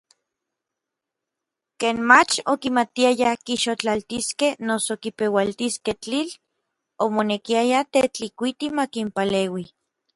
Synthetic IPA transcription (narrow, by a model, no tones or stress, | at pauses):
keːnmat͡ʃokimat̪iajakiʃot͡ɬalt̪iskehnosokipewalt̪isket͡ɬil | omonekiajat̪et͡ɬikʷit̪imakimpaleːwi